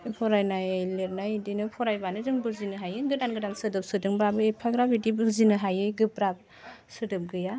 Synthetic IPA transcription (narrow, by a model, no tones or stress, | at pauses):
pʰɔɾajnajajleɾnajdinɯpʰɔɾajbanɯzɯŋbɯzinɯɦajɯɡɯdanɡɯdansɯdɯp̚sɯdɯŋbɾabɯepʰaɡɾabidibɯzinɯɦajɯjɡɯbɾap̚ | sɯdɯp̚ɡɯja